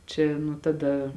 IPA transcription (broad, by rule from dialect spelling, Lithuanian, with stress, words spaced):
ˈt͡ʃʲɛ nʊ tɐˈdɐ